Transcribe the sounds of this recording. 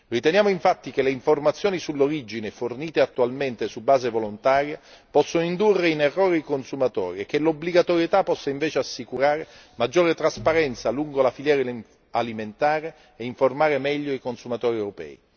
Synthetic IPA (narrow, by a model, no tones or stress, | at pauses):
rit̪enjaːmoiɱfat̪ːik̟eleiɱformat̪sːjoːnisulːoɾid͡ʒineforniːt̪eat̪ːualment̪esubːaːzevolont̪aːɾjapɔsːonoind̪urːeinerːoːɾeikonsumat̪ɔ̰ːɾiek̟ːelobliɡat̪oɾjet̪apːɔsːaiɱveːt͡ʃeasːikuɾaːɾe | mad͡ʒːoːɾet̪ɾaspaɾɛnt̪saluŋɡolafiljɛːɾ | aliment̪aːɾeː | iɱformaːɾemɛʎːoikonsumat̪ɔːɾiewɾopɛ̰ːi